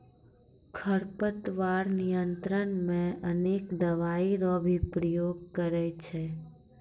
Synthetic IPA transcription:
kʰəɾpət̪ʋaːɾnijənt̪ɾənmẽʔəneːkd̪əʋaːiɾɔbʱipɾəjoːɡ̚kəɾɛt͡ʃʰɛ

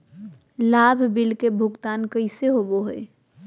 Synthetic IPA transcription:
laːbʱbɪlkebʱʊɡt̪aːnkəɪseɦoboɦoe

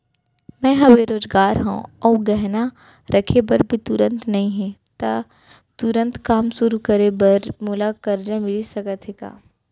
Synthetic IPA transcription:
mɛ̃ːɦɐbeɾoːzɡaːɾɦṵ̃ɔːɡɛɦna | ɾʔɐkʰebɐɾbʱit̪ʊɾə̃nt̪nɐɦĩɦɛ̃t̪a | t̪ʊɾə̃nt̪kaːmsʊɾukɐɾebɐɾmʊlakɐɾd͡ʒamɪlisɐkət̪ʰeka̰ː

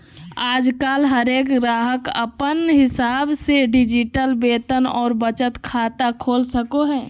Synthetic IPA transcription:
aːd͡ʒkaːlɦəɾeːkɡɾaːɦəkə̰pənɦɪsaːbseɖɪd͡ʒɪʈəlbeːt̪ənɔːɾbət͡ʃət̪kʰaːt̪akʰoːlsəkoɦɛː

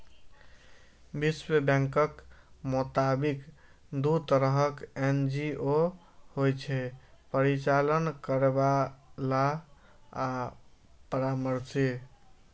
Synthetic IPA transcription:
biswebɛ̃ŋkəkmut̪abik | d̪ut̪əɾəɦəkend͡ʒio | hojt͡ʃʰɛpəɾit͡ʃalənkəɾebala | a | pəɾaməɾsi

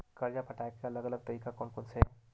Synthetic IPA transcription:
kɐɾjapɐʈaːekeɐləɡɐləɡ̚t̪ɐɾiːkakɔːnkʊnse

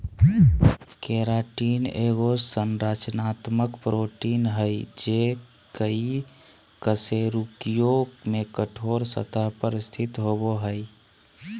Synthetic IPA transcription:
keɾaʈineɣosənɾat͡ʃnat̪məkpɾoʈinɦəjd͡ʒekəi | kəseɾukijomekəʈʰoɾsə̰t̪apəɾst̪ʰit̪ɦoboɦəj

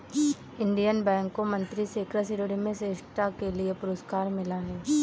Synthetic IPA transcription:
ɪ̃ɳɖijənbɛ̃ːŋkːomɐ̃nt̪ɾiseːkɾəsɪɾɽimẽseːʃʈakeliepʊɾəskaːɾmɪlaɦɛː

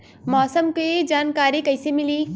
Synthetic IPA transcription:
mɔːsəmked͡ʒaːnkaːɾikɐɪsemɪliː

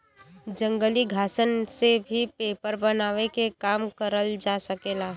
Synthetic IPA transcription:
d͡ʒə̃ŋɡəliɡʱaːsənsebʱipeːpəɾbənaːʋekekaːmkəɾəld͡ʒasəkeːlaːɦ

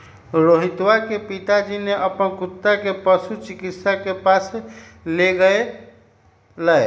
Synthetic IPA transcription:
ɾoɦit̪wakepit̪ad͡ʒineʔəpənkut̪ːakepəsut͡ʃikit̪sakepasleɡəe | la

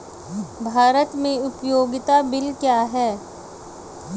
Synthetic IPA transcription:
bʱaːɾət̪mẽʊpjoːɡɪt̪abɪlkjaːɦɛː

